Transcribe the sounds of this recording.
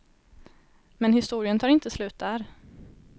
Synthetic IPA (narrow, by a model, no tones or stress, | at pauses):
mɛnhɪst̪uːɾɪənt̪ʰɑːɾɪnt̪əslʉ̟ːt̪̚d̪æːɾ